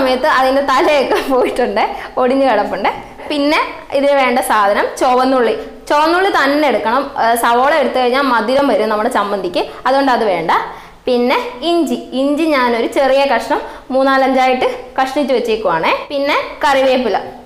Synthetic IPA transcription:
ɐmɐjɐt̪ːɨɐðindet̪ɐlɐjokːepo̞ːjiʈːuɳɖɨoɽiɲːɨkɐɽɐpːuɳɖɨ | pinːe̞ | iðinʋe̞ːɳɖɐsaːd̪ʱɐnɐmt͡ɕoʋɐnːuɭːi | t͡ɕoːʋɐnːuɭːit̪ɐnːeɽukːɐɳɐmsɐʋoːɭɐeɽut̪ːɨkɐriɲːaːlmɐd̪ʱiɾɐmʋɐɾumnɐmːuɽɨsɐmbɐnd̪ʱikʲːuɐðuɣo̞ɳɖɐðɨʋe̞ːɳɖɐ | pinːe̞iɲd͡ʑiiɲd͡ʑiɲaːno̞ɾut͡ɕe̞rijɐkɐʂɐɳɐmː | uːnːaːlɐɲd͡ʑaːjiʈːɨkɐʂɐɳit͡ɕːuʋet͡ɕːiikːuʋaːɳɨpinːe̞kɐriʋeːpːilɐ

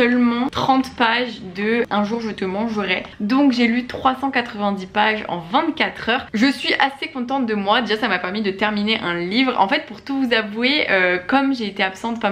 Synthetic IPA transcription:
œlmɑ̃t̪χɑ̃t̪paʒd̪əʔɛ̃ʒuʁʒət̪əmɑ̃ʒəʁɛd̪ɔ̃kʒelyt̪χwasɑ̃kat̪χəvɛ̃d̪ipaʒɑ̰̃vɛ̃t̪kat̪χœːʁʒəsɥiʔasekɔ̃t̪̬ɑ̃t̪̚d̪əmwad̪eʒasamapɛʁmid̪ət̪ɛʁmineʔɛ̃livʁɑ̰̃fɛt̪̚puʁt̪uvuzavweʔøkɔmʒeet̪eapsɑ̃t̪pa

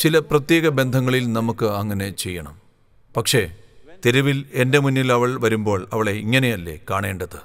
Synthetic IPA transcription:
t͡ɕilɐprɐt̪je̞ːɣɐbe̞nd̪ʱɐŋːɐɭilnɐmukːɨɐŋːɐne̞t͡ɕe̞jːɐɳɐ̰m | pɐkʂe̞t̪eɾuʋile̞nde̞munːilɐʋɐɭʋɐɾumbo̞ːɭɐʋɐɭe̞iŋːɐne̞jɐlːe̞̰kaːɳeːɳɖɐðɨ

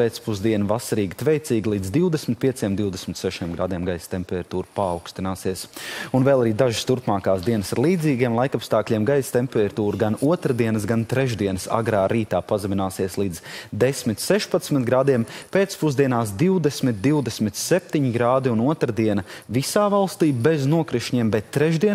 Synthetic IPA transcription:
peːt̪spuzd̪iɛnavasaɾiːɡit̪vɛjt̪siːɡlˠiːd̪zd̪iwd̪ɛsmʲɪt̪̚pʲiɛsiɛmd̪iwd̪esmʲɪt̪sɛʃiɛmɡɾa̰ːd̪iɛmɡajst̪empɛɾɾat̪uːɾpaːwkst̪inaːsiɛsunvɛːlˠaɾiːd̪aʒɪst̪uɾpmaːkaːsd̪iɛnəsaɾlˠiːd̪ziːɡiɛmlˠajkapst̪aːklʲiɛmɡajst̪empɛɾɾt̪uːɾuɡanuɔt̪ɾad̪iɛnəsɡant̪ɾɛʒd̪iɛnəsa̰ɡɾaːɾiːt̪aːpazaminaːsiɛslˠiːd̪z̥d̪esmit̪sɛʃpat̪smit̪ɡɾaːd̪iɛmpeːt̪spuzd̪iɛnaːsd̪iwd̪ɛsmit̪̚d̪iwd̪ɛsmit̪sep̚ʲt̪iɲiɡɾaːd̪iunuɔt̪ɾad̪iɛnɐvisaːvalˠst̪iːbɛznuɔkɾiʃɲiɛmbɛt̪ːɾɛʒd̪iɛn

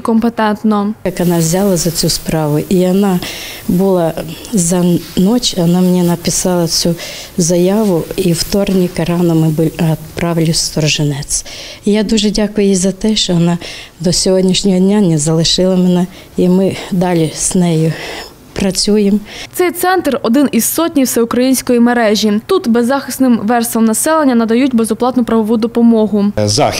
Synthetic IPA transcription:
kɔmpet̪ɛnt̪nɔjɐkʋɔnɑzʲɑlˠɐzɐt͡sʲuspɾɑʋʊʔiɔnɑbʊlˠɑzɐnɔt͡ʃɐnɑmenʲinɐpɪsɑlˠɐt͡sʲu | zɐjɑʋʊiwt̪ɔrnʲikɐɾɑnɔmɪbɪlʲɐpɾɑʋlʲʊst̪ɔrʒenɛt͡sʲijad̪uʒɛdʲakʊjʊjizɐt̪ɛʃt͡ʃɔʋɔnɑd̪ɔsʲɔɦɔdʲnʲiʃnʲɔɦɔdʲnʲanʲɛzɐlˠɪʃɪlˠɐmɛnɛ | imɪd̪ɑlʲiz̥nɛjʊ | pɾɐt͡sʲujemt̪sɛjt̪sɛnt̪rɔd̪ɪnizsɔtʲnʲiwsɛʊkɾɐjinʲsʲkɔjimeɾɛʒʲit̪ut̪bezːɑxɪsnɪmʋɛrsˠɐmnɐsɛlˠenʲːɐnɐd̪ɐjutʲbezɔplˠɑt̪nʊpɾɐʋɔʋud̪ɔpɔmɔɦʊza̰

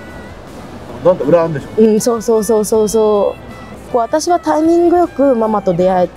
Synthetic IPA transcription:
nãnkaɯ̟ɾaãnd̪eɕoɯ̟̃ɴso̞ːso̞ːso̞ːso̞ːso̞ː | ko̞ːβat̪aɕiβat̪aimʲĩŋɡɯ̟jo̞kɯ̟mamat̪o̞d̪e̞aet̪

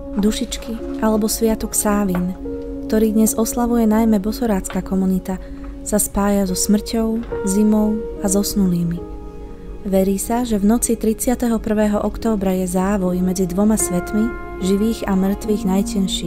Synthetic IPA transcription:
d̪uʃit͡ʃkiʔalɛbɔsʋɪat̪ɔksaːʋinkt̪ɔɾiːd̪ɲɛzɔslaʋujɛnajmɛbɔsɔɾaːt͡skaːkɔmunit̪a | saspaːjazɔsmr̩cɔʊzimɔʊazɔsnuliːmi | ʋɛɾiːsaʒɛʋnɔt͡sit̪ɾit͡sɪat̪ɛɦɔpr̩ʋɛːɦɔʔɔkt̪ɔːbɾajɛzaːʋɔjmɛd͡zid̪ʋɔmasʋɛt̪mi | ʒiʋiːɣamr̩t̪ʋiːɣnajcɛnʃiː

